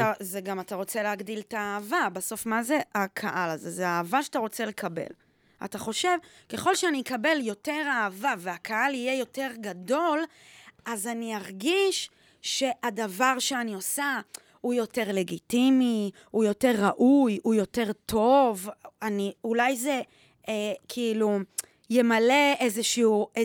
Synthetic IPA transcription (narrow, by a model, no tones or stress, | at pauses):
tazeɡamataʁo̞t͡se̞leaɡdiltaːvabaso̞fmaze̞akʰaʔalazezeaːvaʃataʁo̞t͡se̞le̞kʰabe̞̰l | a̰taχo̞ʃe̞v | ke̞χo̞lʃeanikabe̞ljo̞te̞ʁaːvaveakʰaalije̞jo̞te̞ʁɡado̞l | ʔazaniaʁɡiʃ | ʃe̞ʔadavaʁʃeanio̞sa | ujo̞te̞ʁle̞ɡitimi | ujo̞te̞ʁːaʔujujo̞te̞ʁtʰo̞vaniulajze̞ | ekʰiːlu | jemale̞ezeʃiue